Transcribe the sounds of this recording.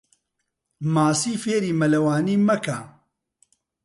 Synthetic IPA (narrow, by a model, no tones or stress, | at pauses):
maːsiːfeːɾiːmɐlɐwaːniːmɐkʰaː